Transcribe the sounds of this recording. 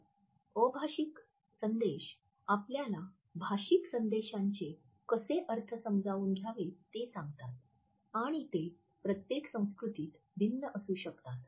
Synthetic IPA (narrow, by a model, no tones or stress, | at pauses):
əbʱaɕik | sənd̪eɕ | apljala | bʱaɕiksənd̪eɕaɲt͡ɕe | kəseʔəɾt̪ʰəsəmd͡zʱauːnɡʱjaʋet̪esãŋɡt̪at̪̚ | aɽ̃it̪e | pɾət̪jeksə̃w̃skɾut̪iːt̪ | bʱinːəʔəsuːɕəkt̪at̪